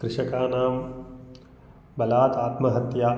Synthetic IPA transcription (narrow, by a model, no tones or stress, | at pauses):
kɾɪʂɐkaːnaːm | bɐlaːt̪aːt̪mɐɦɐt̪jaː